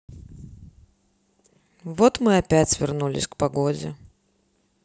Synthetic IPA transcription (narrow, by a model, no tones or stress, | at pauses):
vot̪mɨɐpʲætʲvʲɪrnulʲɪ̰sʲkpɐɡodʲɪ̰